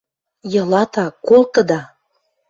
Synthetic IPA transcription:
jɤ̆lɑt̪ɑkolˠk̪ɤ̆d̪ɑ

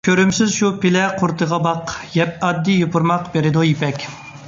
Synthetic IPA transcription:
kʲʰøɾymsɪzʃupɪlɛqʰʊɾt̪ʰəʁɑbɑqjɛp̚ɑd̪ːijopʰuɾmɑqbeɾɪd̪ujipʰɛkʲ

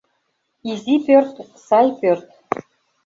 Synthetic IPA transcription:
izipørt̪ | sɑjpørt̪

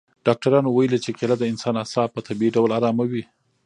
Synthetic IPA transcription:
ɖ̥ɑk̚ʈaɾɑnowajəlit͡ʃekelad̪əɪnsɑnasɑpət̪abiiɖawlaɾɑmawi

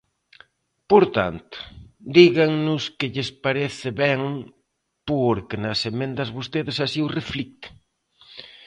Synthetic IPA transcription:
poɾt̪a̰nt̪ʊ̥d̪iɣaŋnʊskɪʎɪspaɾeθɪβɛŋ | poɾkɪnɐsemẽnd̪ɐzβost̪eðɪsasiureflik̚t̪ɪ̥

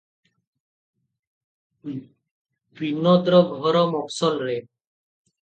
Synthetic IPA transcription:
bʱinːɔd̪ɾɔɡʱɔɾɔmɔksɔlɾe

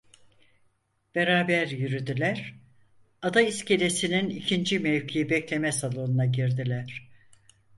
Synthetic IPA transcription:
b̥eɾaːbæɾjyɾyd̪ilʲæɾ̥ | ad̪aisce̞lʲe̞sininicʰind͡ʒimevcʰijibɛclʲe̞mɛsalˠo̞nunaɟiɾd̪ilʲæɾ̥

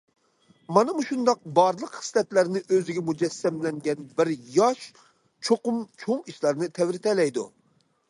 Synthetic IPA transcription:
mɑnɨmuʃund̪ɑq̚bɑɾlˠəqχɨ̥slɛt̪læɾnɪʔøzɪɡʲɛmud͡ʒɛsːɛmlɛŋɡʲɛnbɪɾjɑʃ | t͡ʃʰoqʊmt͡ʃʰoŋiʃlˠɑɾnɨt̪ʰɛwɾɪt̪ɛlɛjd̪ṵ

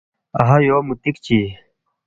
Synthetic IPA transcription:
ɐɦajoːmut̪ikt͡ɕi

